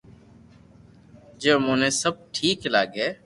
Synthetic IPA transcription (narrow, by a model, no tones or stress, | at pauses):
d͡ʒeːmʊ̃ːnẽːsəb̚ʈʰiːklaːɡeː